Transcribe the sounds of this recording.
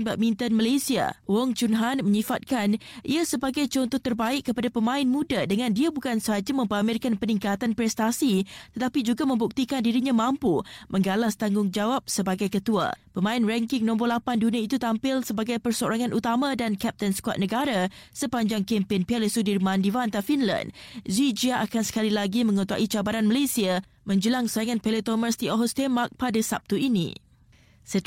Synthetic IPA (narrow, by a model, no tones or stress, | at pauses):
baʔ̚mĩnt̪anmalasia̰wɔŋt͡ʃunɦanməɲifat̪̚kanʔḭasəbaɡajt͡ʃɔnt̪ɔht̪ərbaɪkkːəpadapəmãɪnmũdadəŋãndiabukansəɦad͡ʒamə̃mpəamɪrkanpənĩŋkat̪anpɾɛst̪asit̪ət̪apid͡ʒuɡamə̃mbuk̚t̪ikandiɾiɲãmãmpumʔə̃ŋɡalast̪aŋɡʊŋd͡ʒawap̚səbaɡajkət̪ua̰pəmãɪnrɛŋkɪŋnɔ̃mbɔlapanduniait̪ut̪ampɪlsəbaɡajpərsoɾaŋãnʔut̪amãdankɛp̚t̪ənskwa̰t̪̚nə̃ɡaɾasəpaɲd͡ʒaŋkempɪnpialisudirmãndivant̪afinlã̰ndzid͡ʒiaʔakansə̥kalilaɡimə̃ŋut̪ua̰ʔit͡ʃabaɾanməlesia | mə̃ɲd͡ʒəlaŋsajaŋanpelet̪oməsd̪ioɦɔst̪emak̚padasap̚t̪uinḭ̃ | sə